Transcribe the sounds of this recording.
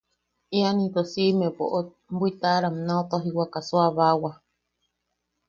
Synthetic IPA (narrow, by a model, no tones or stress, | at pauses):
ianĩt̪osimẽpo̰ʔo | mbuit̪aɾamnõt̪oɦiwakasuaβawa